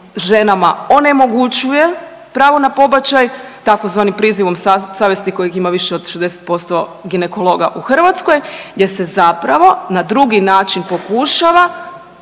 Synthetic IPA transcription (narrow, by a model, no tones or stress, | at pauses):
ʒe̞namao̞ne̞mo̞ɡut͡ɕuje̞ | pɾaːʋo̞napo̞bat͡ɕajt̪ako̞zʋaːnimpɾiːziʋo̞mssaːʋjest̪iko̞jiximaʋiʃeo̞d̪ʃezd̪eset̪̚po̞st̪o̞ɡine̞ko̞lˠo̞ːɡa̰ʔuxr̩ʋat̪skojjese̞zapɾaʋo̞nad̪ɾuɡinaːt͡ʃinpo̞kuʃaʋa